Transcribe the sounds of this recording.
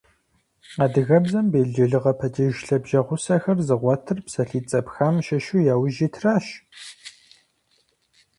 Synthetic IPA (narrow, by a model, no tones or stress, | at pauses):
aːdɨɣɐbzɐmbeːɮd͡ʒɪɮɨʁɐpʰɐdiʒɬɐbʒɐʁʷʊsɐxɐrzɨʁʷɔtʰɨrpsɐɬiːt͡sʼɐpxamʃɐʃujaːwʒitʰraːʃ